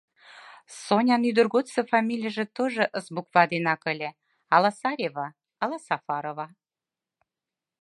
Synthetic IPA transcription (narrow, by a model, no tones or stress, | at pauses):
sonʲɑnyd̪ə̆rɣot̪sə̆fɑmʲilʲijəʒĕt̪oʒɤ̆ʔəsbukvɑd̪enɑkə̆lʲĕ | ɑlɑsɑɾʲevɑ | ɑlɑsɑfɑɾovɑ